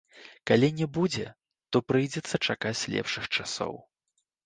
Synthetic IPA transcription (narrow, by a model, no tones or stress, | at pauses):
kalʲinʲɛbud͡zʲɛ | t̪ɔpɾɨjd͡zʲɛt̪sːɐt͡ʂakat͡sʲlʲɛ̰pʂɨxt͡ʂasɔ̰w